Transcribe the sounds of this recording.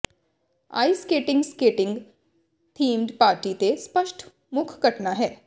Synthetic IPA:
a̰ːiskeːʈɪ̃ŋɡskeːʈɪ̃ŋɡ | t̪ʰiːmɖpaːɾʈit̪espəʃʈʰ | mʊkʰɡəʈnaɦɛː

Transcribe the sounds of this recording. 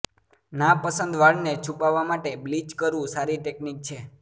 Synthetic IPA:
napəsənd̪ʋaɭnet͡ʃʰupaʋːamaʈeblid͡ʒkəɾʋũsaɾiʈeknik̚t͡ʃʰe

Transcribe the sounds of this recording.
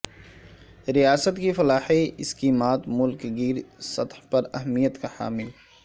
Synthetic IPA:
ɾijaːsət̪kifɐlaːħeɪskiːmaːt̪mʊlkɡiːɾsɐt̪hpɐɾɐɦmijət̪kaħa̰ːmɪl

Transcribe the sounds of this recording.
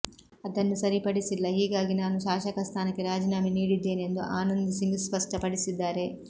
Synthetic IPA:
ɐd̪ɐnːusɐɾipɐɽisilːɐɦiːɡaːɡinaːnuʃaːʃɐkɐst̪ʰaːnɐkːeɾaːd͡ʒinaːminiːɽid̪ːe̞ːnie̞nd̪uʔaːnɐnd̪isiŋɡispɐʂʈɐpɐɽisid̪ːaːɾe̞

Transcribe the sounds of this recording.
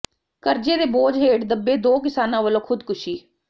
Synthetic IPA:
kəɾd͡ʒeːd̪eːboːd͡ʒɦeːʈd̪əbːeːd̪oːkɪsaːnãːʋəlõːkʰʊd̪kʊʃiː

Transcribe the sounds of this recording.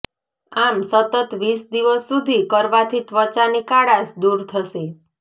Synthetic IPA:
amsət̪ət̪ʋisd̪iʋəsːud̪ʱikəɾʋat̪ʰit̪ʋət͡ʃanikaɽasd̪uɾt̪ʰəʃe

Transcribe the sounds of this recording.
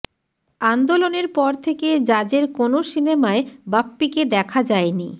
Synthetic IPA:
and̪oloneɾpɔɾt̪ʰeked͡ʑad͡ʑeɾkonoʃinemaebapːiked̪ɛkʰad͡ʑaeni

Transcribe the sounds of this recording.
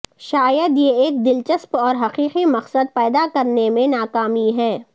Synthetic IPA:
ʃaːjəd̪jeeːk̚d̪ɪlt͡ʃəspɔːɾɦɐqiːqimɐqsəd̪̚pɛːd̪akɐɾnemẽnaːkaːmiɦɛː

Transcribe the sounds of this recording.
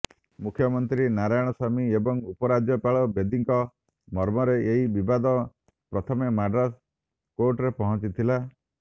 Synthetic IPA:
mukʰjɔmɔnt̪ɾinaɾajɔɽ̃ɔsamiebɔŋupɔɾad͡ʒjɔpaɭɔbed̪iŋkɔ | mɔɾmɔɾeeɦibibad̪ɔ | pɾɔt̪ʰɔmemaɖɾas | koɾʈɾepɔɦɔ̃t͡ʃit̪ʰila

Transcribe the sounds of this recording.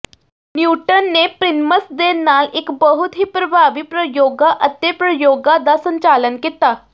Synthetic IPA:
njuʈənːepɾinməsd̪enːalekbəɦut̪ʰɦiːpɾəbʱaʋiːpɾəjoɡaʔət̪jepɾəjoɡad̪asəɲt͡ɕalənket̪a

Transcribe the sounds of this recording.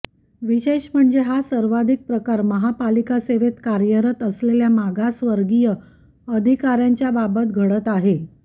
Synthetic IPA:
ʋiɕeɕm̤əɳd͡zeɦasəɾʋad̪ʱik̚pɾəkaɾməɦapalikaseʋet̪kaɾjəɾət̪əsleljamaɡasʋəɾɡijə | əd̪ʱikaɾjaɲt͡ɕjababət̪̚ɡʱəɽət̪aɦe

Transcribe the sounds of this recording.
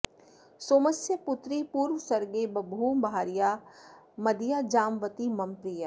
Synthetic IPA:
soːməsjəpʊt̪ɾipuːɾʋəsɐɾɡeːbɐbʱuːbʱaːɾija | mɐd̪ijad͡ʒaːmʋət̪imɐ̃mpɾijaː

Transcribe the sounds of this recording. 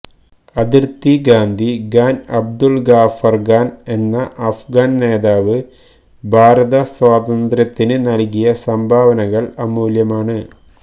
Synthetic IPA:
ɐd̪irt̪iɡaːnd̪ʱiɡaːnɐb̚d̪ulɡaːfɐrɡaːne̞nːɐʔɐfɡaːnne̞ːðaːʋɨ | bʱaːɾɐðɐswaːd̪ɐnd̪ɾɐt̪ːinɨnɐɭkijɐsɐmbʱaːʋɐnɐɣɐɭɐmuːljɐmaːɳɨ

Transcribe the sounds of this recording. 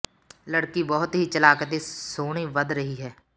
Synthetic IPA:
ləɽkibɔɦʊt̪ɦiːt͡ʃəlaːkət̪esoːɽ̃iːʋəd̪ɾəɦiɦɛː

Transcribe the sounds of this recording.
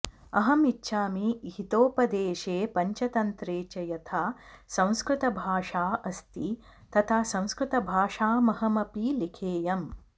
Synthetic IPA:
ɐɦɐmitːʃʰaːmiɦit̪oːpɐd̪eːʃeːpɐɲt͡ʃɐt̪ɐnt̪ɾeːt͡ʃɐjɐt̪ʰaːsɐ̃w̃skɾɪt̪ɐbʱaːʂaːʔɐst̪i | t̪ɐt̪ʰaːsɐ̃w̃skɾɪt̪ɐbʱaːʂaːmɐɦɐmɐpilikʰeːjɐm

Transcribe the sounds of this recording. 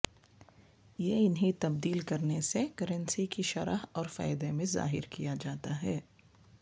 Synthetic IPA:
jeɪnɦit̪ɐb̚d̪iːlkɐɾnesekɐɾə̃nsikiʃɐɾaɦɔːɾfa̰ːɪd̪emẽza̰ːɦɪ̰ɾkijad͡ʒaːt̪aɦɛː

